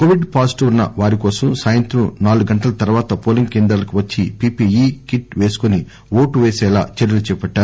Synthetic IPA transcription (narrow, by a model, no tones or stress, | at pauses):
koːʋiɖpaːsʈunːɐʋaːɾikɔːsɐmsaːjɐnt̪ɾɐmnaːluɡɡɐɳʈɐlɐt̪ɐɾʋaːt̪ɐpoːliŋkeːnd̪ɾɐlɐkuʋɐt͡ʃːipiːpijikiʈʋeːsu̥koni | ʋo̞ːʈuʋeːsɛːlaːt͡ʃɐɾjɐlut͡ʃɛːpɐʈːaːɾu